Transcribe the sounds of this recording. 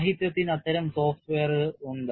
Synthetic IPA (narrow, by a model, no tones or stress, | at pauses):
ɦit̪jɐt̪ːinɐt̪ːɐɾɐmso̞ːfʈʋeːɐrɨuɳɖɨ